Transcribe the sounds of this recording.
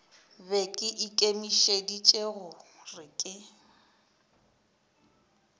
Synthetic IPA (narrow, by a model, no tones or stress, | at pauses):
bekʼɪʔikʼemiʃedit͡ʃʼeɣʊrɪkʼɪ